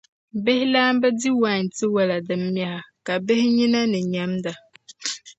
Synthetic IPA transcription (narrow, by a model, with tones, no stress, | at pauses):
bɛ˦hɪ˦laː˦mbɛ˦di˦wa˨ɲ˨ti˦wa˨la˨dɨ˨mːja˨ha˨ka˨be˦hɪ˦ɲi˦na˦nɨ˨ɲa˦mda˨